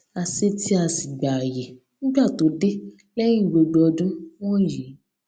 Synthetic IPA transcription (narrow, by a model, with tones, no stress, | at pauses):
a˧se˦ti˦a˧si˨ɡ͡ba˨a˨je˨ | ñ̩˦ɡ͡ba˦˨to˨˦de˦ | lɛ˦j̃ĩ˦˨ɡ͡bo˧ɡ͡bo˧ɔ˧dũ˦w̃ɔ̃˦ji˨˦